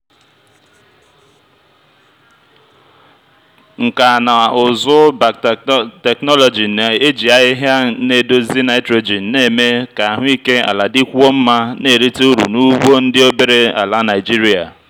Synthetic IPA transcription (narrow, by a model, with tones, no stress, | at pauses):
ŋ̩˨ka˨na˨ʊ˨zʊ˦ba˨te˨knɔ˦lo˨d͡ʒi˨na˨e˦d͡ʒi˨a˨ɪ˦ɦa˦ne˨do˦zi˦na˨ɪ˦tɾo˨d͡ʒi˨˦ne˦˨me˦ka˨a˨ɦʊ˦i˦ke˦a̰˨la˨dɪ˦kʷo˦m̩˦ma˦ne˦˨ɾi˦ti˦u˦ɾṵ˨nu˦ɡ͡bo˦n̩˦dɪ˦o˦be˨ɾe˦a̰˨la˦na˨ɪ˨d͡ʒi˦ɾi˦a̰˨